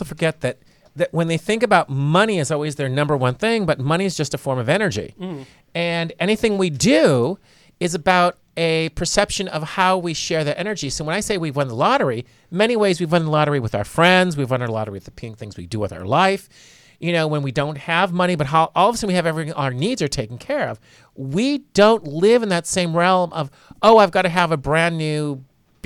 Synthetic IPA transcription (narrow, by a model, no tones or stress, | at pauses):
soʊfə˞ɡɛt̪̚ðɨt̪̚ | ðɨʔ̚wə̃nðeɪθɪ̃ŋkɨbaʊt̚mʌñiɨzɔlˠwizðə˞nʌ̃mbə˞wʌ̃nθɪ̃ŋbʌt̚mʌɾ̃iɨzd͡ʒʌstɨfɔɹmʌvɛɾ̃nə˞d͡ʒḭ | ɨ̃nɛɾ̃iθɪ̃ŋwidʉ | ɨzɨbaʊɾ | ɨpʰə˞sɛpʃɨ̃nʌv̥haʊwiʃɛɹðɨɾʔɛnə˞d͡ʒisoʊwə̃naɪseɪwivwʌ̃nðəlɑɾə˞i | mɛñiweɪzwivwʌ̃nðəlɑɾə˞iwɨðaʊə˞fɹɛ̃ndzwivwʌ̃nə˞lɑ̰ɾə˞iwðɨpʰɪ̃ŋθɪ̃ŋzwḭdɨwɨða̰ʊə̰˞laɪf | jɨnoʊwə̃nwidõʊ̃nt̚hɨvmʌɾ̃ibʌt̚ɦaʊʔɔlˠʌvʌsɨ̃mwiɨvɛvɹiθɪ̃ə˞nidzə˞tʰeɪkɪ̃ŋkʰɛɹʌv̥ | wid̥õʊ̃ntlɪvɨ̃nðɨtsẽɪ̃mɹɛlˠmʔʌv | oʊaɪvɡɑɾɨəvɨbɹæ̃nːʉ̥